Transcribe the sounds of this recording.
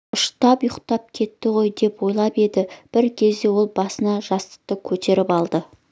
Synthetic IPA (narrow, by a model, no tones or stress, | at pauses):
ʊʃt̪ɑpjʊqt̪ɑp̚kʲʰe̞t̪ːɪʁo̞jd̪e̞pwo̞jlˠɑpe̞d̪ɪb̥ɪɾkʲʰe̞zd̪e̞wo̞lˠbɑsənɑʒɑst̪ə̥q̚t̪əkʲʰɵt̪e̞ɾɪpɑlˠd̪ə